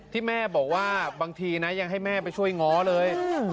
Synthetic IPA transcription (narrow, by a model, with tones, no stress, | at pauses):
t̪ʰiː˥˩mɛː˥˩bɔː˨˩k̚waː˥˩baː˧ŋt̪ʰiː˧na˦˥ja˧ŋɦa˥˩jmɛː˥˩pa˧jt͡ɕʰu˥˩əjŋɔː˦˥lɤː˧j